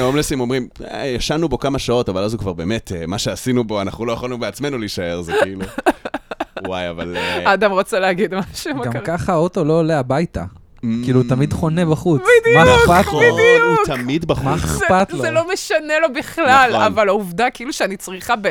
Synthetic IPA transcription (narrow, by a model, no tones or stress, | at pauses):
omlesimo̞mʁimjaʃanubo̞kamaʃao̞tavalazukvaʁbe̞ːmetemaʃeasinubo̞anaχnulojaχalinubeat͡sme̞nuliːʃae̞ʁzekiːlu | waja̰valaːd̪amʁot͡seleaɡid̪maʃmɡaɡkaχao̞to̞lo̞ːleabajta | kiːlut̪amid̪χo̞nebaχubid̪maepat̪iduut̪amid̪baχmaezpat̪loelo̞meʃanelo̞biχlalavalauvdakiiluʃeanit͡sʁiχabe